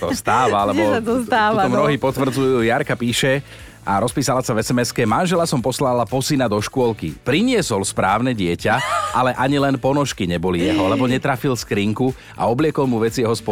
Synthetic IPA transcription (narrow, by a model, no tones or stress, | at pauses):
ɔst̪aːʋalɛbɔt̪t̪aːɔmnɔɦipɔt̪ʋrɾ̩d͡zujuːjaɾkapiːʃɛ | ʔaɾɔspiːsalasavɛsɛmɛskɛmanʒɛlasɔmpɔslalapɔsinad̪ɔʃkʊɔlkḭpɾiɲɪɛsɔlspɾaːʊnɛɟɪɛcaʔalɛʔaɲilɛnpɔnɔʃkiɲɛbɔlijɛɦɔlɛbɔɲɛt̪ɾafilskɾiːŋku | a̰ɔblɪɛkɔlmuʋɛt͡sijɛɦɔspɔ